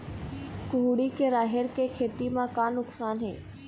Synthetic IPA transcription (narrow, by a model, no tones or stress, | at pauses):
kʊɦuɽikeɾaːɦɪɾkekʰeːt̪imãkaːnʊksaːnɦḛː